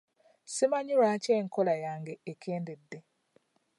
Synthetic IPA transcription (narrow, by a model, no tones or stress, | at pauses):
simaɲuɾaːceːŋkolajaːŋɡeːkʰeːndedːe